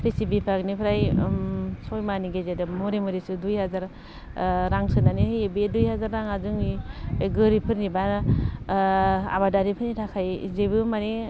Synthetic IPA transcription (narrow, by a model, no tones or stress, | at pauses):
pʰisibipʰaknipʰɾaj | sɔjmaniɡezedɯmɔɾemɔɾisɯdujhazaɾ | ɾaŋsɯnanihɯjebdujhazaɾːaŋazuŋiɡɯɾipʰɯɾniban | a̰badaɾipʰɯnitʰakʰajzebɯmane